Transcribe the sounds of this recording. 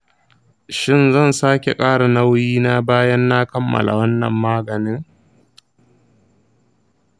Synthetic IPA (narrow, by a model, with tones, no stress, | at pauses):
ʃɪ˦˨nzɐ˦˨nsaː˦kʲe˨kʼaː˦ɽa˨na˦wjiː˦na˦baː˦jɐ˦nːa˦kɐ˦mːɐ̰˨la̰˨wɐ˦nːɐ̰˨mːaː˦ɡɐ˨nɪ˦ŋ